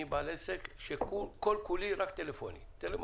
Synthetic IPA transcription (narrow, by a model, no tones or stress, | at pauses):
ibɐlɛsɛkʃɛkːukɔlkuliɾɐkt̪ɛlɛfɔːnḭt̪ɛlɛ